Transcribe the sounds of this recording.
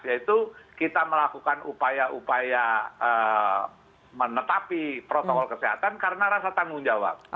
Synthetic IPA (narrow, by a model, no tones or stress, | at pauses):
jait̪ukit̪aməlakukanupajaʔupajaə | mənət̪apipɾot̪okɔlkəseɦat̪ankaɾənaɾasat̪aŋɡʊŋd͡ʒawa̰p̚